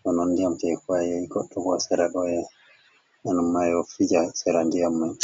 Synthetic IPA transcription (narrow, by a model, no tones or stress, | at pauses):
tɔnɔndiamtɛkuajɛiɡɔɗːɔbɔsɛɾaɗɔjɛ | ɛnɔmːajɔfid͡ʒasɛɾandijamːan